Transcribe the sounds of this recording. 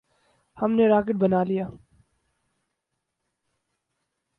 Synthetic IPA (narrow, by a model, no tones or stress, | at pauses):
hɐmneɾaːkɪʈ̚bɐnaːlijaː